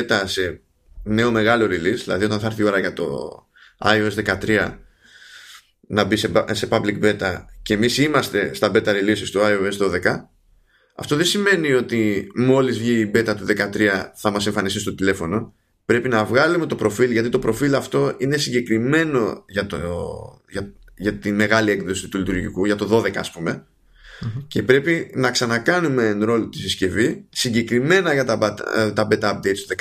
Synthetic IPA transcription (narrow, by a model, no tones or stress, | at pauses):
et̪ɐse̞ | ne̞o̞me̞ɣɐlo̞ɾilisðilɐ̰ðio̞t̪ɐ̃nθɐɐɾθio̞ɾɐʝɐt̪o̞̰ | ɐ̰ioe̞zðe̞kɐt̪ɾiɐ | nɐbisese̞pɐblikbe̞t̪ɐce̞ːmisimɐst̪e̞st̪ɐbe̞t̪ɐɾilisist̪oɐioezðo̞ðe̞kɐ | ɐ̰ft̪o̞ðesime̞nio̞t̪imo̞lizvʝiːbe̞t̪ɐt̪uðe̞kɐt̪ɾiɐθɐmɐseɱfɐnisist̪o̞t̪ile̞fo̞no̞ | pɾe̞pinɐvɣɐlume̞t̪opɾo̞filʝɐt̪it̪o̞pɾo̞filɐft̪o̞ʔine̞siɲɟe̞kɾime̞no̞ʝɐt̪o | ʝɐ | ʝɐt̪ime̞ɣɐlie̞ŋðo̞sit̪ulit̪uɾʝḭkuʝɐt̪o̞ðo̞ðe̞kɐːspume̞ | ce̞pɾe̞pinɐksɐnɐkɐnume̞ːnɾo̞lot̪isisce̞visiɲɟe̞kɾime̞nɐʝɐt̪ɐbɐt̪t̪ɐbe̞t̪ɐɐp̚d̪ejt̪st̪uðek